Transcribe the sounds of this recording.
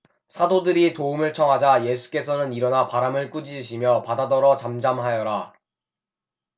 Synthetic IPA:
sʰadodɯɾitoumɯɭt͡ɕʰʌŋɦad͡ʑaje̞sʰu̥k͈e̞sʰʌnɯniɾʌnapaɾamɯɭk͈ud͡ʑid͡ʑiɕʰimjʌpadadʌɾʌt͡ɕamd͡ʑamɦajʌɾa

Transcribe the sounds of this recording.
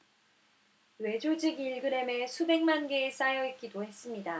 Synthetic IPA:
we̞d͡ʑod͡ʑiɡiɭɡɯɾe̞me̞sʰube̞ŋmanɡe̞ːs͈ajʌit̚k͈idohe̞s͈ɯmɲida

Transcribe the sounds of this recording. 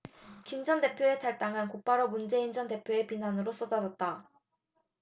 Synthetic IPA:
kind͡ʑʌnde̞pʰjoe̞tʰaɭt͈aŋɯnkop͈aɾomund͡ʑe̞ind͡ʑʌnde̞pʰjoe̞pinanɯɾos͈odad͡ʑʌt̚t͈a

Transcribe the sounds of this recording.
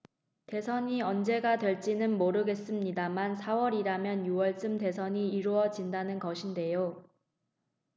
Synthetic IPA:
te̞sʰʌɲiʌnd͡ʑe̞ɡadwe̞ɭt͡ɕ͈inɯnmoɾɯɡe̞s͈ɯmɲidamansʰawʌɾiɾamjʌnjuwʌɭt͡ɕ͈ɯmte̞sʰʌɲiːɾuʌd͡ʑindanɯnɡʌɕʰinde̞jo

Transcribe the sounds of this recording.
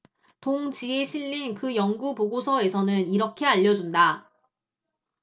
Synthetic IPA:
toŋt͡ɕieɕʰiʎːinkɯjʌŋɡupoɡosʰʌe̞sʰʌnɯniɾʌkʰe̞aʎːʌd͡ʑunda

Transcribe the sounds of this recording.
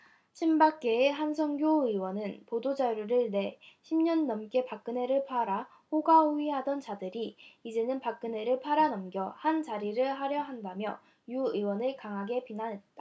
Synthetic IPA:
ɕʰimbak̚k͈eːɦans̬ʰʌŋɡjoɯwʌnɯnpodod͡ʑaɾuɾɯɭne̞ɕʰimɲʌnːʌmk͈e̞pak͈̚ɯne̞ɾɯɭpʰaɾa | hoɡauiɦadʌnt͡ɕadɯɾiːd͡ʑe̞nɯnpak͈̚ɯne̞ɾɯɭpʰaɾanʌmɡjʌhant͡ɕaɾiɾɯɭɦaɾjʌɦandamjʌ | juɯwʌnɯɭkaŋɦaɡe̞pinanɦe̞t̚t͈a

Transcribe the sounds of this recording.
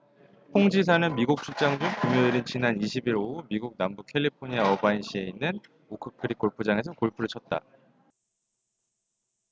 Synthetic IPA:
pʰoŋd͡ʑis̬ʰanɯnmiɡuk̚t͡ɕ͈ʰut͡ɕ͈aŋd͡ʑukumjoiɾint͡ɕinaniɕʰibiɾoumiɡuk̚nambukʰe̞ʎːipʰoɲiaʌbainɕ͈ʰie̞inːɯn | okʰɯkʰɯɾik͈oɭpʰud͡ʑaŋe̞sʰʌkoɭpʰuɾɯɭt͡ɕʰʌt̚t͈a̰

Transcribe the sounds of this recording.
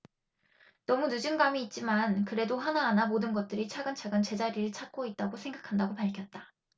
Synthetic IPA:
nʌmunud͡ʑɯnɡamiːt̚t͡ɕ͈imankɯɾe̞doɦanaːnamodɯnɡʌt̚t͈ɯɾit͡ɕʰaɡɯnt͡ɕʰaɡɯnt͡ɕe̞d͡ʑaɾiɾɯɭt͡ɕʰat̚k͈oit̚t͈aɡosʰe̞ŋɡakʰandaɡopaɭkʰjʌt̚t͈a

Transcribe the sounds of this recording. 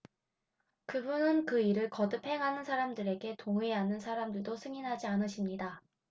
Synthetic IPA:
kɯbunɯnkɯiɾɯɭkʌdɯpʰe̞ŋɦanɯnsʰaɾamdɯɾe̞ɡe̞toŋeɦanɯnsʰaɾamdɯɭdosʰɯŋinɦad͡ʑianɯɕʰimɲida

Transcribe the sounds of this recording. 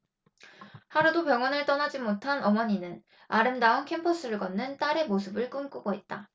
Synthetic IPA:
haɾudopjʌŋwʌnɯɭt͈ʌnad͡ʑimotʰanʌmʌɲinɯn | aɾɯmdaonkʰe̞mpʰʌs͈ɯɾɯɭɡʌnːɯnt͈aɾe̞mos̬ʰɯbɯɭk͈ɯmk͈uɡoɦet̚t͈a

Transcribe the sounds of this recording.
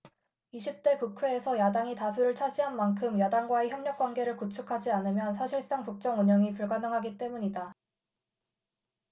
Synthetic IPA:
iɕʰip̚t͈e̞kukʰwe̞ːsʰʌjadaŋitasʰuɾɯɭt͡ɕʰaɕiɦanmankʰɯmjadaŋɡwaeçjʌmɲʌk͈wanɡe̞ɾɯɭkut͡ɕʰukʰad͡ʑianɯmjʌnsʰaɕʰiɭs͈aŋpuk̚t͡ɕ͈ʌŋuɲʌŋipuɭɡanʌŋɦaɡit͈e̞muɲida

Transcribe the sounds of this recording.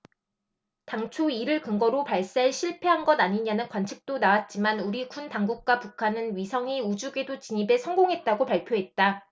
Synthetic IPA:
taŋt͡ɕʰoiɾɯɭkɯŋɡʌɾopaɭs͈aeɕʰiɭpʰe̞ɦanɡʌdaɲiɲanɯnkwant͡ɕʰik̚t͈onawat̚t͡ɕ͈imanuɾikuntaŋɡuk̚k͈wapukʰanɯnɥisʰʌŋiud͡ʑuɡe̞dot͡ɕiɲibe̞sʰʌŋɡoŋɦe̞t̚t͈aɡopaɭpʰjoɦe̞t̚t͈a

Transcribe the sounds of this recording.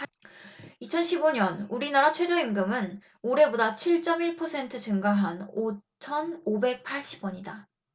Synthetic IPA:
it͡ɕʰʌnɕʰiboɲʌnuɾinaɾat͡ɕʰwe̞d͡ʑʌimɡɯmɯn | oɾe̞bodat͡ɕʰiɭt͡ɕ͈ʌmiɭpʰʌsʰe̞ntʰɯt͡ɕɯŋɡaɦano | t͡ɕʰʌnobe̞k̚pʰaɭɕ͈i̥bwʌɲida

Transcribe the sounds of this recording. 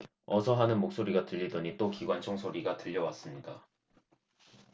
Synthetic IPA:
ʌsʰʌɦanɯnmok̚s͈oɾiɡatɯʎːidʌɲit͈okiɡwant͡ɕʰoŋsʰoɾiɡatɯʎːʌwas͈ɯmɲida

